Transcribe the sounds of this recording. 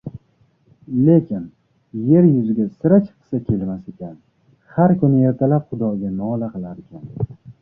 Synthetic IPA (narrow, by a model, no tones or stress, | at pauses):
le̞kʲʰɪn | je̞ɾjʊzɪɡʲasɪɾat͡ʃʰɨ̥qʰɨ̥sakʲʰe̞lmase̞kʲan | haɾkʊnɪje̞ɾt̪ʰalapχʊd̪ɒɡʲanɒlaqɨlaɾekʲʰan